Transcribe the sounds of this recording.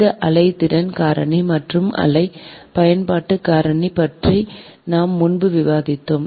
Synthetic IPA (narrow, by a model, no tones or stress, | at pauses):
ðɐʔɐlɐɪt̪ːɪɽɐnkaːɾɐnimɐʈrɯmɐ̰lɐɪpɐjɐnpaːʈːɯkːaːɾɐɳipɐʈri | naːmːʊnbɯʋɪʋaːðɪt̪ːɯm